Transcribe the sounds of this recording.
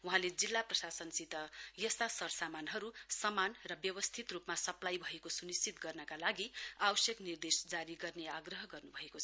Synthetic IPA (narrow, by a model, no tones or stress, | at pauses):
uɦãled͡zilːaprʌsasʌnsit̪ʌjʌst̪asʌɾsamanɦʌɾusʌmanrʌbjʌwʌst̪ʰit̪rupmasʌplajbʱʌekosunist͡sit̪ɡʌrnʌkalaɡiawʌsjʌknird̪esd͡zaɾiɡʌrneaɡrʌɦʌɡʌrnubʱʌekoʌ